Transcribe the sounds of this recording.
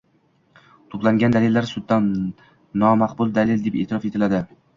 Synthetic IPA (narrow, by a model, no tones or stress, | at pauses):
t̪ʰoplˠaŋɡʲand̪alɪlːaɾsʊd̪ːanː | ɒmaqbʊlˠd̪alɪld̪epeːt̪ʰɪɾɒfet̪ʰɪlad̪ɪ